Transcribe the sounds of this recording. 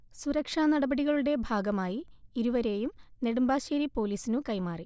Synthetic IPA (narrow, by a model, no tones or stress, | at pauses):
suɾɐkʂaːnɐɽɐbɐɽiɣɐɭuɽe̞bʱaːɡɐmaːjiiɾuʋɐɾe̞ːjumne̞ɽumbaːɕeːɾipo̞ːliːsinukɐjmaːri